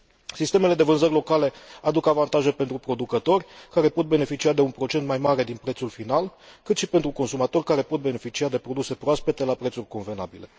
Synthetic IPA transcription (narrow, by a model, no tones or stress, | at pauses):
sist̪e̞me̞le̞d̪e̞vɨnzərʲlo̞kale̞ad̪ukavant̪aʒe̞pe̞nt̪ɾupɾo̞d̪ukət̪o̞rʲkaɾe̞po̞t̪̚be̞ne̞fit͡ʃiad̪e̞unpɾo̞t͡ʃe̞nt̪majmaɾe̞d̪inpɾet̪sulfinalkɨt̪ʃipe̞nt̪ɾuko̞nsumat̪o̞rʲkaɾe̞po̞t̪̚bene̞fit͡ʃiad̪e̞pɾo̞d̪use̞pɾoaspe̞t̪e̞lapɾet̪surʲko̞nve̞na̰bile̞̰